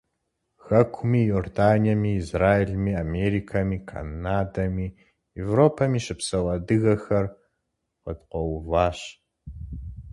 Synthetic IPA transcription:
xɐkʷʰʊmiːjoːrdaːniɐmiːzraːeɮmiːameɾikʰamiːkʰa̰naːdɐmiː | jevroːpʰɐmiːɕɪpsɐwɐdɨɣɐxɐr | qədqʷɔwvɑːɕ

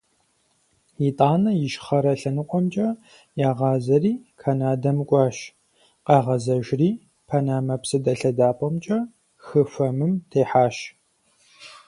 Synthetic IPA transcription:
jitʼaːnɐjɪʃχɐɾɐɬɐnɨqʷʼɔmt͡ʃʼɐ | jaːʁɑːzɐriːkʰanaːdɐmɨkʷʼɑːʃ | qɑːʁɐzɐʒriː | pʰɐnaːmɐpsɐdɐɬɐdaːpʷʼɔmt͡ʃʼɐ | xɨfɐmɨmtʰeːħaːʃ

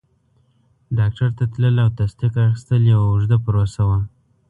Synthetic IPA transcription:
ɖɑk̚ʈaɾt̪at̪ləlawt̪ast̪iqaxɪst̪əljawaʊʐd̪apəɾosawa

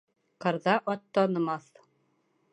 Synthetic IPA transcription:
qɑ̆ɾðɑʔɒt̪ːɒnɤ̆mɑθ

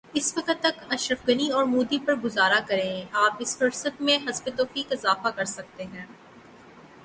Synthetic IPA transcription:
ɪsʋɐkət̪ːɐt̪ɐʃɾəfɡɐniɔːɾmuːd̪ipɐɾɡʊzaːɾakɐɾẽaːpɪsfɐɾsət̪mẽɦɐzbet̪oːfiːkɪzaːfakɐɾsɐk̚t̪eɦɛ̃ː

